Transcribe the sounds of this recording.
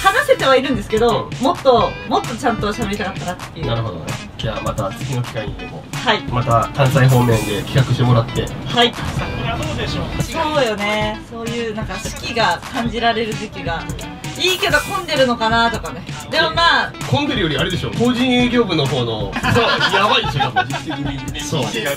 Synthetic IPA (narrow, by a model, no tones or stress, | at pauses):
hanase̞t̪e̞β̞aiɾɯ̟̃nd̪e̞sɨ̥ke̞d̪o̞mo̞t̪ːo̞mo̞t̪ːo̞t͡ɕãnt̪o̞ɕabe̞ɾit̪akat̪ːaɾat̪ːejɯnaɾɯ̟ɦo̞d̪o̞̰nḛ | d͡ʑaːmat̪at͡sɨ̥kʲino̞kʲi̥kaɲit̪ːemohaimat̪akãɰ̃saiɦo̞ːmẽ̞nd̪e̞kʲʰi̥kakɯ̟ɕit̪e̞mo̞ɾat̪ːe̞̰haisoood̪eɕoːso̞ːjo̞ne̞so̞ːjɯ̟ːnãŋkaɕi̥kʲiɡakãɲ̟d͡ʑiɾaɾe̞ɾɯ̟d͡ʑikʲiɡa | iːke̞d̪o̞kõ̞nd̪e̞ɾɯ̟no̞kanat̪o̞kaned̪e̞mo̞maːkõnd̪eɾɯjo̞ɾʲiaɾe̞d̪e̞ɕo̞ːkoːʑĩɰ̃jɯːɡʲo̞ːbɯ̟no̞ɦo̞ːno̞sojjaβait͡ɕkait̪ekʲiɲisoː